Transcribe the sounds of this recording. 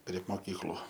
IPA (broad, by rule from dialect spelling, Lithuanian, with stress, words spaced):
pʲrʲiɛ moːˈkʲiːklˠʊ